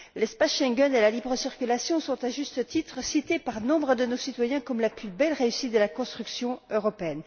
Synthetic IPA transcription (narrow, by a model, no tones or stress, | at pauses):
lɛspasʃɛ̃ŋɡʲɔnelalibʁəsiʁkʲylasjɔ̃sɔ̃t̪aʒyst̪ət̪it̪χəsit̪epaʁnɔ̃bʁəd̪ənosit̪wajɛ̃kɔmlaplybɛlʁeysit̪̚d̪əlakɔ̃st̪χyksjɔ̃øʁɔpeɛn